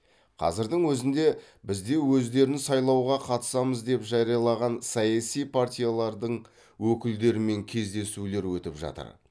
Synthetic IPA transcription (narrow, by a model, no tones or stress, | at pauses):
qʰɑ̰zɪɾd̪əɴwɵzɪnd̪e̞ | bɪzd̪e̞wɵzd̪e̞ɾɪnɪsɑjlˠɑwʁɑqʰɑt̪ə̥sɑməzd̪e̞pʒɑɾijɑlˠɑʁɑnsɑjɑsijpʰart̪ʲijalˠɑɾd̪əɴ | wɵkʲɪld̪e̞ɾɪme̞ŋkʲʰe̞zd̪e̞sule̞ɾwɵt̪ɪpʒɑ̰t̪ə̰ɾ